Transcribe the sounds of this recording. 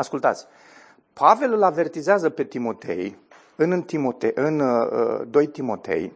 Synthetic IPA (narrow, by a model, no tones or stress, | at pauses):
askult̪a̰t̪sʲ | pʰave̞lɨlave̞rt̪izeazəpe̞t̪imo̞t̪ʰe̞̰j | ɨnt̪imo̞t̪eɨnə̰d̪o̞jt̪imo̞t̪e̞̰j